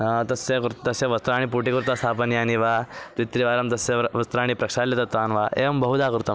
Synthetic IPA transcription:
t̪ɐsekəɾt̪ɐseʋɐst̪ɾaːɽ̃ipuʈikəɾut̪asapənjaniʋat̪it̪ɾiʋaːɾəmt̪ɐseʋəst̪ɾaːɽ̃ipɾɐkʂaljet̪at̪anʋaḛəmbəɦud̪akəɾut̪a

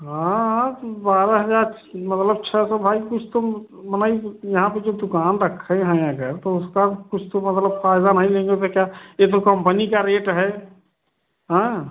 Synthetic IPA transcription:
ɦãɦt̪obaːɾəɦəd͡ʒaːɾ | mət̪ləb̚t͡ʃʰɛsɔ̃bʱaːikʊt͡ʃʰt̪o | mənaːijəɦãpəd͡ʒod̪ʊkaːnɾəkʰːə̃ɦɛ̃əɡəɾt̪oʊskakʊt͡ʃʰt̪omət̪ləbfʰaɪd̪anaɦĩlẽːŋɡet̪okjaet̪̬okəmpənikaɾeːʈɦɛ | ɦɛ̃

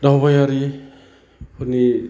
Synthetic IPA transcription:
dawbajaɾi | huni

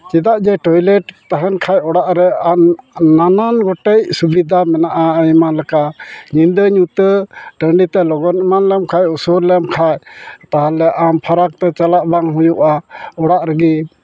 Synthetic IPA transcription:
t͡ʃid̪aʔd͡ʒɛʈɔjlɛʈt̪aɦɛnkʰajɔɽaʔɾɛanananɡɔʈɛc̚subid̪ʱamɛnaʔaimanlɛkaʔɲind̪əɲut̪əɖəɳɖit̪ɛlɔɡɔnimanlɛmkʰajusuɾlɛmkʰajt̪aɦalɛʔampʰaɾak̚t̪ɛt͡ʃalaʔbaŋɦujuʔaɔɽaʔɾɛɡi

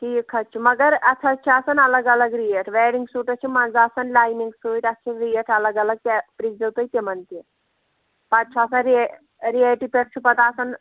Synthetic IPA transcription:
kiːkʰɐt͡ʃʰimɐɡəɾɐt̪ʰɐt͡ʃʰiasɐnɐləɡɐləɡɾijeʈʰʋeːɾiŋɡsuːʈɐt͡ʃʰimɐnzaːsɐnlaːjniŋɡsuiʈɐst͡ʃʰiɾijeʈʰɐləɡɐlɐɡ̚t̪epɾid͡ʒɐwt̪ɐjt̪emɐnt̪i | pat͡ʃʰasɐɾ | ɾijaliʈipeʈ̚t͡ʃʰupɐt̪aːsɐn

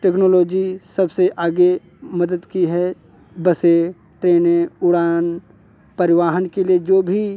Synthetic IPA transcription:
ʈeːknoːloːd͡ʒisɐbseʔaːɡe | mɐd̪əd̪kiɦɛ | bɐse | ʈɾeːnẽʊɽaːn | pɐɾɪʋaːɦənkelied͡ʒoːbʱi

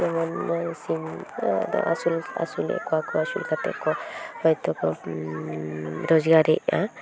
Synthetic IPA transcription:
jɔmɔnɔsimd̪ɔ̰ʔasula̰sulɛ̰ʔkʰɔakʰɔasulkʰat̪ɛ̰kʰɔhɔjt̪ɔkɔ | ɾɔd͡ʒɡaɾɛ̰ʔa

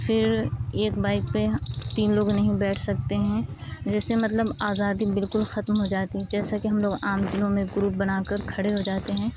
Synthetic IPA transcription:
fɪɾeːkbaːɪk̚pet̪iːnloːɡnɐɦĩbɛːʈʰsɐk̚t̪eɦɛ̃ː | d͡ʒɛːsemɐt̪ləbaːzaːd̪ibɪlkʊlxɐt̪mɦod͡ʒaːt̪iɦɛd͡ʒɛːsakeɦɐmloːɡaːmd̪ɪnõmẽɡɾuːp̚bɐnaːkɐɾkʰɐɽeɦod͡ʒaːt̪eɦɛ̃ː

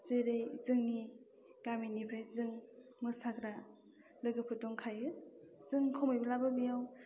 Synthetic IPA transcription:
zeɾejzɯŋni | kaminipʰɾajzɯŋmɯsakɾa | lɯɡɯpʰɯtɔŋkʰajɯzɯŋkʰɔmɯjbɯlabɯbijaw

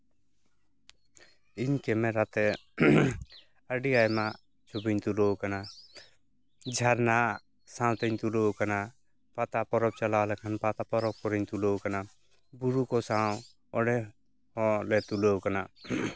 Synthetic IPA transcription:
iɲkɛmɛɾat̪ɛ | əɖiajma | t͡ʃʰubiɲt̪ulowkana | d͡ʒʱaɾna | sãw̃t̪ɛɲt̪ulowkana | pat̪apɔɾɔb̚t͡ʃalalɛkʰanpat̪apɔɾɔb̚pɔɾiɲt̪ulokana | buɾukɔsãw | ɔɖɛ | hɔ̃lɛt̪ulowkana

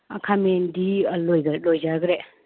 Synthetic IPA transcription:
a̰kʰamendilojɡɾlojd͡ʒaɡɾe

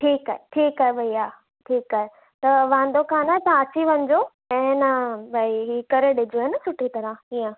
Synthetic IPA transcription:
ʈʰiːkaɦeʈʰiːkaːɦebʱɐiaː | ʈʰiːkaːɦe | t̪ɐʋãːnd̪okʰaːnat̪ãɐt͡ɕiʋɐ̃ɲd͡ʑo | ɛ̃ːnɐbʱɐiɦiːkɐɾeɗɪd͡ʑoɦɪnəsʊʈʰit̪ɐɾəijə̃

